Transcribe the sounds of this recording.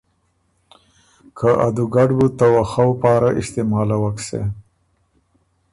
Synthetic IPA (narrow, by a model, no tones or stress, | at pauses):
kʰaʔa̰d̪uɡaɖbut̪awaxawpɑːɾaʔɪst̪ɪmɑːlawaksḛ